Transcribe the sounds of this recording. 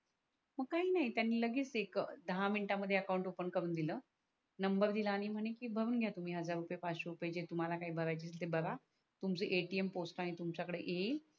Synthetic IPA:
məɡ̚kaɦiːnaɦit̪janːiːləɡiːt͡sekd̪əɦaminiʈaməd̪ʱjeəkawuɳʈopənkəɾuːnd̪iləː | nəmbəɾd̪ilaːɽ̃im̤əɽ̃ekiːbʱəɾuːnɡʱjat̪um̤iːɦəd͡zaɾːupəjepaɕoɾupjed͡ʑet̪um̤alakaɦiːbʱəɾajt͡ɕeselt̪ebəɾa | t̪umt͡səʔeʈiemposʈaɽ̃it̪umt͡ɕakəɽeʔeiːl

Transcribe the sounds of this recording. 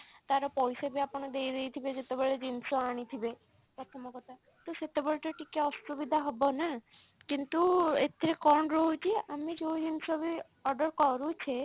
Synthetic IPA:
t̪aɾɔpɔjsebiapɔɳ̃ed̪eiɾeit̪ʰibed͡ʒet̪ebeɭed͡ʒinsoaɽ̃it̪ʰibe | pɾɔt̪ʰɔmɔkɔt̪a | t̪oset̪ebeɭʈɔʈikeɔsubid̪ʱaɦɔbona | kint̪uet̪ʰiɾekɔɳɾɔɦũt͡ʃʰieʔamed͡ʒeod͡ʒinsobi | ɔɾɖəɾkɔɾũt͡ʃʰe

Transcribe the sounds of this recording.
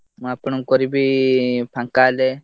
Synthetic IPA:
mapɳuŋkɔɾibipʰaŋkaːle

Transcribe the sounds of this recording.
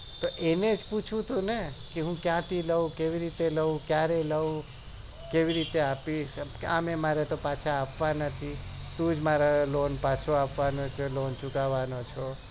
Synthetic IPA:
t̪oʔened͡ʒput͡ʃʰũt̪ʰũnekeɦũkjãt̪ʰiləũkeʋiɾit̪eləũkjaɾeləũ | keʋiɾit̪eapiʃkamemaɾet̪opat͡ʃʰaːpʋanət̪ʰit̪ũd͡ʒmaɾalonpat͡ʃʰoapʋanot͡ʃʰelont͡ʃukaʋanot͡ʃʰo

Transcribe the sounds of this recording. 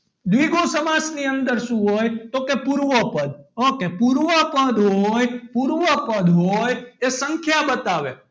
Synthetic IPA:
d̪ʋiɡõsəmad͡ʒniənd̪əɾʃũɦojt̪okepuɾʋəpəd̪̚okepuɾʋəpə̃d̪ɦojpuɾʋəpə̃d̪ɦojesəŋkʰjabət̪aʋe

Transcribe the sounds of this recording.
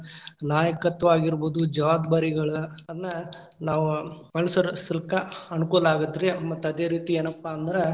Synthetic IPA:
naːjɐkɐt̪ːʋaːɡiɾboːd̪ud͡ʒɐʋaːdd̪aːɾiɡɐɭuɐd̪ɐnːɐ | naːʋumɐlɐsɐɾsilɐkɐɐnukulaːɡɐd̪ɾemɐt̪ːɐd̪eːɾiːt̪ie̞ːnɐpːaːnd̪ɐɾe

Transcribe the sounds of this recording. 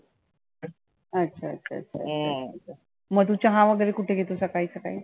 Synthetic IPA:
ətːɕʰaəɕʰa̰ːtːɕʰa̰aa | məɡt̪̬ut͡ɕaɦãʋəɡəɾekuʈʰeɡʱet̪osəkaisəkai

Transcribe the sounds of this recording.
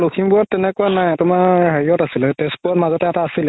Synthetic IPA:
lokʰimbuɹɔtːɛnɛkʊanajtʊmaɹɦeɹiɔtasilɛtɛsbuɹɔtmazɔtɛɛtaːsilɛ

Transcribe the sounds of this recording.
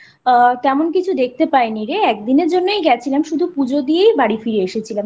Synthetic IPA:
t̪ɛmonkit͡ɕʰud̪ek̚ʰt̪epaeniɾeɛk̚d̪ineɾd͡ʑonːoejɡɛt͡ɕʰilemʃud̪ʱupud͡ʑod̪iejbaɽifiɾeeʃet͡ɕʰilem

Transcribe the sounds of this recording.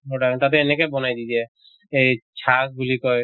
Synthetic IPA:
ɦoɖat̪at̪̬eenekebɔnajd̪id͡ʒe | et͡ʃʰak̚ɡulikɔj

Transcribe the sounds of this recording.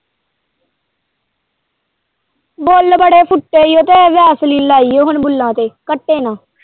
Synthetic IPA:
boːlbəɽeːpʰʊʈːeːijoːt̪eːʋjaːsliːnlaːiːoːɦənbʊlːãːt̪eːkəʈːeːnãː

